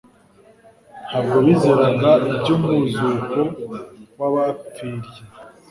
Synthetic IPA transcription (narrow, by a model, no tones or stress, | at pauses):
habɡoβizeɾaɡaibɟomuzukowaβap͡fiɾje